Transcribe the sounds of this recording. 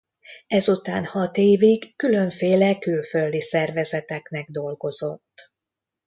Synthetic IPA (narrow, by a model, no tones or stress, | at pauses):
ɛzut̪aːnhɒt̪eːviɡːylø̞ɱfeːlɛkylføld̪isɛrvɛzɛt̪ɛknɛɡ̚d̪o̞lɡo̞zo̞t̪ː